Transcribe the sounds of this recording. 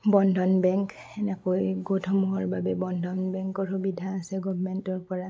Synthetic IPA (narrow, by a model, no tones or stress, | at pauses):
bɔndʱɔnbɛŋk | ɛnɛkojɡotʰɔmuɦɔɹbabɛbɔndʱɔnbɛŋkɔɹhubidʱaːsɛɡɔbʱmɛntɔɹpɔɹa